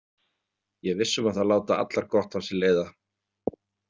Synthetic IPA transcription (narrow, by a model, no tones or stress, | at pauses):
jɛɣvɪsːʏmaðθalaːwt̪aa̰t̪laɾkɔht̪hansɛleːjða